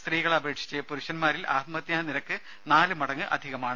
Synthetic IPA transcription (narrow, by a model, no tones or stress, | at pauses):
st̪riːɣɐɭɐbɐɾeːʈʂi̥t͡ɕːejɐpuɾuɕɐnmaːɾilʔa̰ːt̪mɐt̪jaːniɾɐkːɨ | naːlɨmɐɽɐŋːɨʔɐ̰d̪ʱiɣɐmaːɳɨ